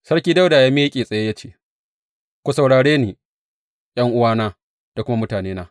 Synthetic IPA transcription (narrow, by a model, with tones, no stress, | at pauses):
sɐ˦ɽkʲiː˦da˦wdaː˨jaː˦me˦jkʲʼeː˨sʼɐ˨je˦jaː˦t͡ʃeː˦˨ | kʷu˨sa˨wɽaː˨ɽeː˦neː˨ | j̰ɐ˦ŋʔʊ˦waː˦naː˦ | d̥a˨kʊ˦ma˦mʊ˦taː˨neː˦naː˦